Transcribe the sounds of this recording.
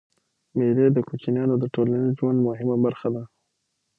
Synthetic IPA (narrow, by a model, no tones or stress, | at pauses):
meled̪əkot͡ʃinjɑnod̪əʈolanizʒwand̪mʊɦɪmabaɾxad̪a